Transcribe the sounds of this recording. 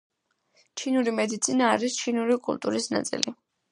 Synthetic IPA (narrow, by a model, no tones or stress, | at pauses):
t͡ʃʰinuɾimɛd̪it̪sʰinaːɾist͡ʃʰinuɾikʼṵlˠt̪ʼṵɾisna̰t̪sʼḭlḭ